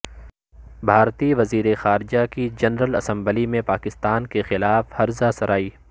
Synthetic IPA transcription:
bʱaːɾt̪iʋɐziːɾexaːɾd͡ʒakid͡ʒɐnɾəlɐsɐ̃mbəlimẽpaːkɪst̪aːnkexɪlaːfhɐɾzasɐɾaːiː

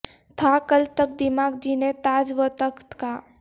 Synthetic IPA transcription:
t̪ʰakəlt̪ək̚d̪ɪmaːɡd͡ʒinet̪aːd͡ʒʋət̪əkt̪kaː

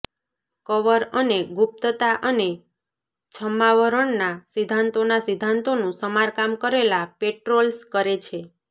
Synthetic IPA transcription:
kəʋəɾəneɡup̚t̪ət̪aʔəne | t͡ʃʰəmːaʋəɾəɳnasid̪ʱːant̪onasid̪ʱːant̪onũsəmaɾkamkəɾelapeʈɾolskəɾet͡ʃʰe

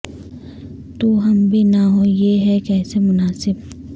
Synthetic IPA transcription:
t̪uɦɐmbʱinaɦojeɦɛkɛːsemʊnaːsɪb

